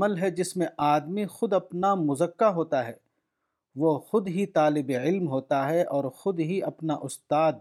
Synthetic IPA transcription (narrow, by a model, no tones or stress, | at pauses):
məlɦɛd͡ʒɪsmẽʔaːd̪mixʊd̪ɐpnamʊzəkːaɦoːt̪aɦɛː | ʋoxʊd̪ɦit̪aːlɪbeɪlmɦoːt̪aɦɛʔɔːɾxʊd̪ɦiɐpnaʔʊst̪aːd̪